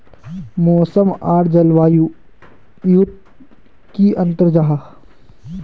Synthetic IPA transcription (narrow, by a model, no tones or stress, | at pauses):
moːsəmaːɾd͡ʒɐlʋaːju | jut̪̚ | kiʔɐ̃nt̪əɾd͡ʒaɦ